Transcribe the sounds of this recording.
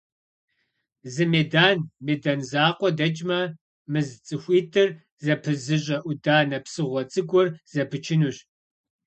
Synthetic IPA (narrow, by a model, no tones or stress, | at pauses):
zɨmeːdaːnmeːdɐnzaːqʷɔdɐt͡ʃʼmɐ | mɨzt͡sʼɨxʷiːtʰɨr | zɐpʰɨzɨʑʼɐʔʷʊdaːnɐpsɨʁʷɔt͡sʼɨɡʷɔrz̥ɐpʰɨt͡ʃʰɪnuɕ